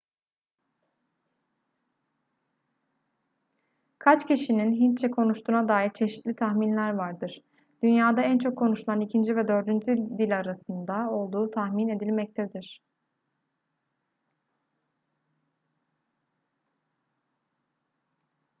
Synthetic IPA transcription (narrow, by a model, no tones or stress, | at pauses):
kʰat͡ʃcʰiʃininɦint͡ʃʰːɛkʰo̞nuʃt̪ʰuːnad̪aːiɾt͡ʃʰe̞ʃi̥t̪lʲit̪ʰaxminlʲæɾvaɾd̪ɯɾ̥ | d̪̥ynjaːd̪aænt͡ʃʰo̞kʰːo̞nuʃulˠanicʰind͡ʒivɛd̪ø̞ɾd̪ynd͡ʒyd̪ilʲaɾasɯnd̪ao̞lˠd̪uːt̪ʰahmine̞d̪ilʲmɛc̚t̪ʰɛd̪iɾ̥